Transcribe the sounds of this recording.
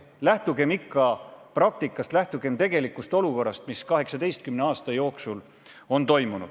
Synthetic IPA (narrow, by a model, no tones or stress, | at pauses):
læht̪uɡe̞mikːˑɑprɑk̚t̪ikːˑɑst̪læht̪uɡ̥e̞mt̪e̞ɡe̞likːˑust̪o̞luko̞rːɑst̪miskɑɦe̞ksɑd̪e̞jst̪kymneɑːst̪ɑjo̞ːksul | o̞nt̪o̞jmunṵd̪̥